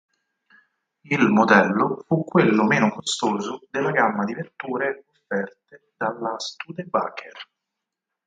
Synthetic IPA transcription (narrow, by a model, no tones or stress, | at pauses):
ilmod̪ɛlːofukːwelːomeːnokost̪oːzod̪elːaɡamːad̪ivert̪uːɾeofːɛrt̪e | d̪alːast̪uːd̪eba̰kʰer